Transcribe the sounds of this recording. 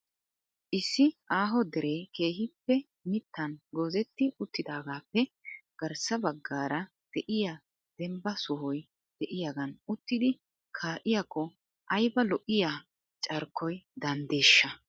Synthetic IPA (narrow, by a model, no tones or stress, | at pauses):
ʔɪsːɪʔaːɦɔd̪ɛɾe̞ːke̞ːhɪpːɛ | mɪt̪ːɐnɡoːzɛt̪ːɪʊt̪ːɪd̪aːɡaːpːɛɡ̥ɐɾsɐbɐɡːaːɾɐ | d̪̥ɛʔɪja | d̪̥ɛmbɐsʊhɔj | d̪̥ɛʔɪjaːɡɐnʊt̪ːɪd̪ɪ | kʰaːʔɪjakːɔ | ʔɐjbɐlɔʔɪjaː | t͡ʃʼɐɾkʰːɔjd̪ɐnd̪eːʃːɐ